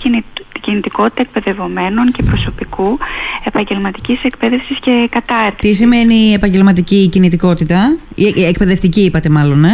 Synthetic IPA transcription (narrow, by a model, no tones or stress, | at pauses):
niɟinit̪iko̞t̪i̥t̪ɐek̚pe̞ðe̞vo̞me̞no̞nce̞pɾo̞so̞pikue̞pɐɲɟe̞lmɐt̪i̥cise̞kpeðe̞fsisce̞kɐt̪ɐɾt̪it̪is̬ime̞niepɐɲɟe̞lmɐt̪̬iciːcinit̪iko̞t̪it̪ɐiek̚pe̞ðeft̪iciipɐt̪e̞mɐlo̞ne̞